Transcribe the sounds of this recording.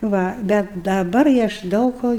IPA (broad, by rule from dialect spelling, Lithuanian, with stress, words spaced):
ˈʋɐ ˈbʲɛt dɐˈbɐr ɪ ˈɐʃ ˈdɐʊk koː